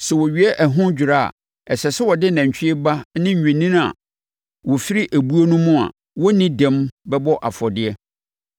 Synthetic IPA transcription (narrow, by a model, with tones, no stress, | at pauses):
sɛ˨wɔ˨ɥi˨˦ɛ˦ʔæ˨ɦʊ̃˦d͡ʑᶣɪ˨ɾa˦a̰˨ | ɛ˨sɛ˨sɪ˦wɔ˨dɪ˦nã˨ɲ˨t͡ɕᶣɪ˦ɛ˦ba˦nɪ̃˦ɲ̩˨ɲᶣɛ̃˨nĩ˦n˦a̰˨ | wɔ˨fi˦ɾi˦ʔæ˨bu˦o˦nʊ̃˦mʊ̃˦a̰˨ | wɔ˦nĩ˦dɛ̃˦mbɛ˦bɔ˦ʔa˨fɔ˨dɪ˦ɛ˦